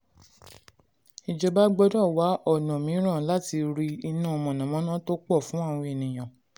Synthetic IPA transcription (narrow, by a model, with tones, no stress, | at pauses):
i˨d͡ʒɔ˨ba˦ɡ͡bɔ˧dɔ˦˨wa˨˦ʔɔ˦˨nɔ̃˨mĩ˨˦ɾ̃ã˦˨la˦ti˧ɾi˧i˧nũ˦ɔ˨mɔ̃˨nã˨mɔ̃˨˦nã˦to˦k͡pɔ˦˨fũ˨˦a˦˨w̃ɔ̃˧˦e˨nĩ˨j̃ã˨